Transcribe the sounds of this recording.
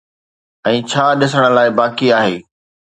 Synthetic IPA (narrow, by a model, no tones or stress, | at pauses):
ɛ̃ːt͡ɕʰaːɗɪsəɽ̃ə̆laːɪbaːkiaːɦeː